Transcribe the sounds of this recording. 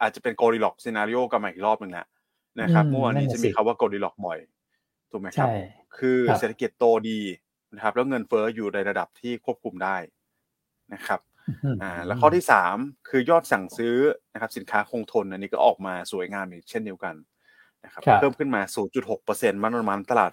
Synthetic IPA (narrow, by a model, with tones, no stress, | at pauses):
ʔaː˨˩t̪̚t͡ɕa˨˩pe˧nkoː˧ɾiː˧lɔ˨˩k̚siː˧naː˧ɾi˦˧ʔoː˥˩ka˧maː˨˩˨ʔi˨˩k̚ɾɔː˥˩p̚nɯ˨˩ŋla̰˦ʔ | na˦˥kʰa˦˥p̚mɯ˥˩˨waː˧nːiː˦˥t͡ɕa˨˩miː˧kʰa˧˩waː˥˩koː˧ɾiː˧lɔ˨˩k̚bɔ˨˩j | t̪ʰuː˨˩k̚ma˦˥kʰa˦˥ | kʰɯː˧seː˨˩t̪ʰːa˧ki˨˩t̪ːoː˧diː˧ | na˦˥kʰa˦˥p̚lɛː˦˥wŋɤ˧nfɤː˦˥juː˨˩na˧jɾa˧da˨˩p̚t̪ʰiː˥˩kʰu˥˩əp̚kʰu˧mdaː˥˩j | na˦˥kʰa˦˥p̚ | ʔaː˨˩lɛː˦˥wkʰɔː˥˩t̪iː˥˩saː˩˦mkʰɯː˧jɔː˥˩t̪̚sa˨˩ŋsɯː˦˥na˦˥kʰa˦˥psi˩˦nkʰaː˦˥kʰo˧ŋt̪ʰo˧nʔnːiː˦˥kɔː˥˩ʔɔː˨˩k̚maː˧suː˨˩˦jŋaː˧mʔiː˨˩k̚t͡ɕʰe˥˩ndi˧əwka˧n | na˦˥kʰa˦˥˧pʰɤː˥˩mkʰɯ˥˩nmaː˧suː˩˦nt͡ɕu˨˩t̪̚ho˨˩k̚pɤː˧se˧nma˦˥ʔo˧ma˦˥nt̪a˧la̰ː˨˩t̪̚